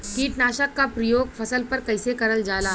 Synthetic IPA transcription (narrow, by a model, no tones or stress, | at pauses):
kiːʈnaːʃəkːapɾɐjoːɡfʰɐsəlpɐɾkɐɪsekɐɾəld͡ʒaːlaː